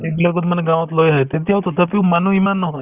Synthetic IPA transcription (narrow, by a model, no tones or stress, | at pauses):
ekləɡot̪məneɡãʋ̃ɔt̪lojɦajt̪et̪iawt̪ot̪əpiũmanũimanːɔɦɔj